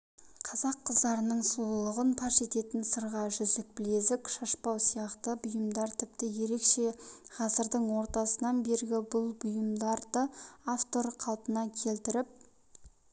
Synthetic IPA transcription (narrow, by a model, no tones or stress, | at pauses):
qʰɑzɑqʰːəzd̪ɑɾənəɴsulˠəʁənpʰɑʃe̞t̪e̞t̪ɪnsəɾʁɑʒʏzd̪ɪk̚bɪle̞zɪkʃɑʃpɑwsijɑqt̪əbʊjəmd̪ɑɾt̪ʰɪpt̪ɪje̞ɾe̞kʃe̞ʁ̥ɑzəɾd̪əɴwo̞ɾt̪ɑsənɑnbe̞ɾɡʲɪbʊlˠbʊjəmd̪ɑɾd̪əaft̪o̞ɾqʰɑlˠpənɑkʲʰe̞lt̪ɪɾɪp̚